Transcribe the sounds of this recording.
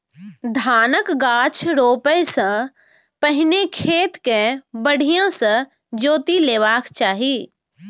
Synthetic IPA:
d̪ʱaːnəkɡaːt͡ʃʰɾoːpəjsə̃ | pəɦɪnekʰeːt̪kẽbəɽ̤ijãsə̃ | d͡ʒoːt̪ileːʋaːkt͡ʃaːɦi

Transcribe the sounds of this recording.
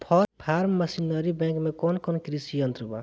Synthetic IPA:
pʰɔɾpʰaːɾmːəsinəɾibɛ̃ŋkmẽkɔnkɔnkɾisiə̃nt̪ɾəba

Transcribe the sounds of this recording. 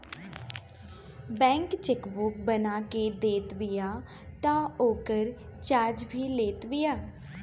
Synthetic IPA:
bɛ̃ːŋkt͡ʃɪkbuːk̚bənaːkeːd̪eːt̪ʋɪjaː | t̪ãːoːkəɾt͡ʃaːɾd͡ʒbʱiːleːt̪ʋɪjaː

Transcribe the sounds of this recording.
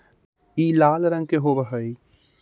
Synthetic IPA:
iːlaːlɾə̃ŋɡ̚keɦobəɦəi

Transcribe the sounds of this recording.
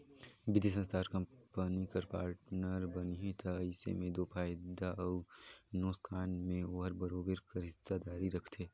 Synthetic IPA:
bɪd̪is̬ɐ̃nst̪ʰaːɾkɐ̃mpənikɐɾpaːɾʈnəɾbɐniɦẽt̪ʰɐːɪsḛmẽd̪oːpʰaːjd̪aɔːɾnoːskʰaːnmẽoːɦəɾbɐɾoːbəɾkɐɾɪtsad̪aːɾiɾɐkʰt̪ʰeː

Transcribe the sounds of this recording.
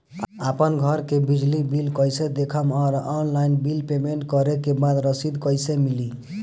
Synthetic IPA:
apənɡʱʌɾkebid͡ʒlibilkəjsed̪ekʰəmɔɾɔnlajnbilpemeɳʈkʌɾekebad̪ɾəsid̪kʌjsemili

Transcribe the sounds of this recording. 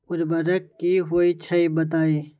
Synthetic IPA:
ʊɾbɐɾɐkːiɦoːit͡ʃʰɐibɐt̪̬aːiː

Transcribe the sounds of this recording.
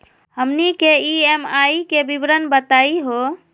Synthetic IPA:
ɦəmnikeiemaikebibɾənbət̪aiɦo

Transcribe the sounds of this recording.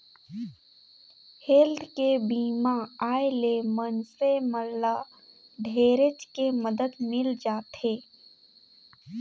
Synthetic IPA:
heːld̪kebiːmaaːelemənseməɾlːa | ɖʱeːɾet͡ʃkeməd̪əd̪mɪld͡ʒaːt̪eː

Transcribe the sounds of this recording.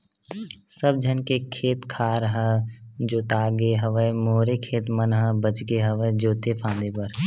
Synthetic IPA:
səb̚d͡ʒʱənkekʰeːt̪kʰaːɾɦəd͡ʒoːt̪aːɡeɦəʋəemoːɾekʰeːt̪mənɦəbət͡ʃɡeɦəʋəed͡ʒoːt̪epʰãːnd̪epəɾ

